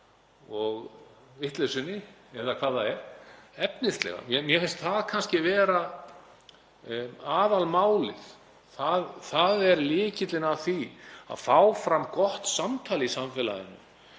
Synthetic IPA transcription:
ɔɣ | vɪht̪lɛsʏnːɪɛðakʰvaːðaɛɾ̥ɛpnɪst̪lɛ̰ɣa̰mjɛmjɛfɪnst̪θaðkʰanscɪvɛːɾa | aːðalmaːwlɪð | θaðθaðɛɾlɪːcɪt̪lɪnaθia̰ðfaːwfɾamkɔht̪samt̪ʰaːlɪisamfɛːla̰jɪ̰nːʏm

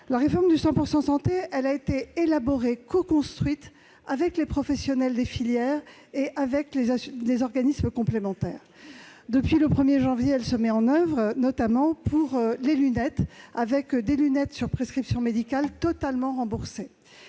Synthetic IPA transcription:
laʁefɔʁmd̪ysɑ̃puʁsɑ̃sɑ̃t̪eʔɛlaet̪eelabɔʁekɔkɔ̃st̪χɥit̪ | avɛklepχɔfɛsjɔnɛld̪efiljɛːʁ | eʔavɛklelezɔʁɡanisməkɔ̃plemɑ̃t̪ɛːʁ | d̪əpɥiləpχəmjeʒɑ̃vjeɛlsəmɛɑ̃nœvʁnɔt̪amɑ̃pʰuʁlelynɛt̪avɛkd̪elynɛt̪syʁpχeskχipsjɔ̃med̪ikalt̪ɔt̪almɑ̃ʁɑ̃buʁse

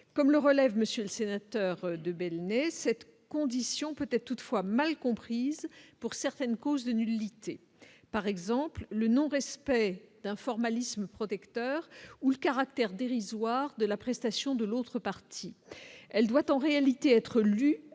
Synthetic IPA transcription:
kɔmləʁəlɛvməsjøləsenat̪œʁd̪əbɛlnɛsɛt̪ | kɔ̃d̪isjɔ̃pøt̪ɛt̪t̪ut̪fwamalkɔ̃pχizpuʁsɛʁt̪ɛnkozd̪ənylit̪e | paʁɛɡzɑ̃pllənɔ̃ʁɛspɛd̪̥ɛ̃fɔʁmalisməpχɔt̪ɛkt̪œːʁuləkaʁak̚t̪ɛʁd̪eʁizwaʁd̪əlapχɛst̪asjɔ̃d̪əlot̪χəpaʁt̪ʰiɛld̪wat̪ɑ̃ʁealit̪eɛt̪χəly

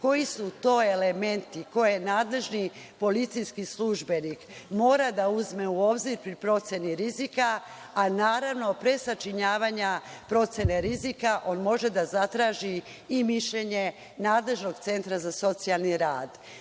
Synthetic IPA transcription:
ko̞jisut̪o̞ːe̞le̞me̞nt̪iko̞je̞naːd̪le̞ʒni | po̞lit̪sijskisluʒbe̞nikmo̞ːɾad̪auzme̞uoːbziɾpɾipɾo̞t̪se̞niɾizikaː | naːɾaʋno̞pɾe̞sat͡ʃiɲaːʋaɲapɾo̞t̪se̞neɾizikaʔo̞nmo̞ʒe̞d̪azat̪ɾaːʒiː | miʃʎeɲe̞ | naːd̪le̞ʒno̞ɡt̪se̞nt̪ɾazaso̞t̪sialˠniɾaːd̪

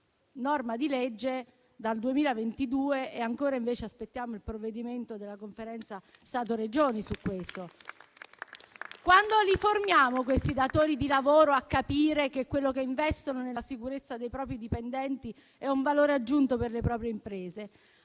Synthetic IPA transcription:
nɔrmad̪iled͡ʒːe | d̪ald̪uemiːlavent̪id̪uːeːaŋkoːɾaiɱveːt͡ʃeaspet̪ːjaːmoilpɾovːed̪iment̪od̪elːakoɱfeɾɛnt̪sast̪aːt̪̬oɾed͡ʒoːnisukːwest̪o | kwand̪oliformjaːmok̬west̪id̪at̪oːɾid̪ilavoːɾoakːapiːɾekekːwelːokeiɱvɛst̪ononelasikuɾet̪sːad̪ejpɾɔːp̬ɾid̪ipend̪ɛnt̪i | ɛuɱvaloːɾead͡ʒːunt̪operlepɾɔːpɾjeimpɾeːze

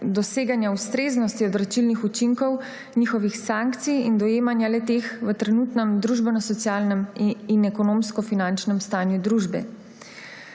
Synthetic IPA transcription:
d̪ɔseːɡanjaust̪ɾeːznɔst̪iɔd̪ɾat͡ʃilnixut͡ʃiŋkɔw | niːxɔʋixsaŋkt̪sijind̪ɔjeːmanjalɛt̪eːxʋət̪ɾɛnut̪nɛmd̪ɾuːʒbɛnɔsɔt̪sjaːlnɛminɛkɔnoːmskɔfinant͡ʃnɛmst̪aːnjud̪ɾuːʒbɛ̰

